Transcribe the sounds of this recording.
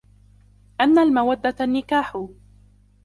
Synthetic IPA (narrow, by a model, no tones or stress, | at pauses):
ʔanːalmawad̪ːaanːɪkaːħʊ